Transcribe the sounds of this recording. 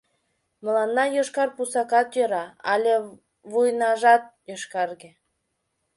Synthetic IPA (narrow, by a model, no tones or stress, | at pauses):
mə̆lɑnːɑjoʃkɑrpusɑkɑt̪jøɾɑɑlʲe | βujnɑʒɑt̪̚joʃkɑrɣĕ